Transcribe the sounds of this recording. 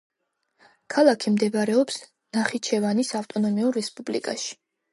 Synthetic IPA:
kʰalˠakʰimd̪ɛvaɾɛɔps | naχit͡ʃʰɛvanisaft̪ʼɔnɔmiuɾːɛspʼublḭkʼaʃi̥

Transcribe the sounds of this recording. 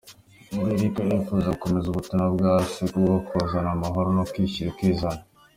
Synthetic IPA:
muɾeɾikajefuzako̞me̞zuβutimabɡaːsikuɡakʰozanamaɦo̞ɾonokwiːçiɾikiːzana

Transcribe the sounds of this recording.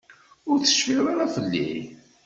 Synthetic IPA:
ʊɾθə̥ʃfiɾˤaɾafəlːḭ

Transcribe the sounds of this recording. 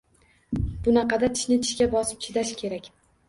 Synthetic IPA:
bʊnɑqɑd̪at̪ʰɪ̥ʃnɪt̪ʰɪ̥ʃkʲabɒsɪ̥p̚t͡ʃʰɪd̪aʃkʲʰe̞ɾakʲ

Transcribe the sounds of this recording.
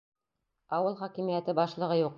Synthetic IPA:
ɑwɤlˠχɒkimijæt̪ɘbɑʃlˠɤ̆ʁɤjuq

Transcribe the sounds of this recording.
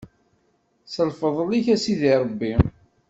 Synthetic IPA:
səlfəðˤəliçæsiðiɾˤəbːi

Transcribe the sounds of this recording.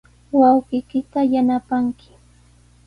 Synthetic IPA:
wɑwɢɪjkɪt̪ajanapaŋkɪ̥

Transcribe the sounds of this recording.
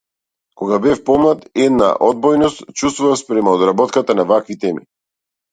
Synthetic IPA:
kɔɡabɛfpɔmlˠat̪ɛd̪na̰ʔɔd̪̚bɔjnɔst̪t͡ʃust̪vuvaspɾɛmaɔd̪ɾabɔt̪kat̪anavakvit̪ɛmḭ

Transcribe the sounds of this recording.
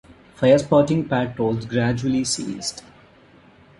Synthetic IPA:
faɪəɾspɔːɾʈɪ̃ŋpæːʈʈoːlzɡɾæd͡ʒuəlisḭːzɖ

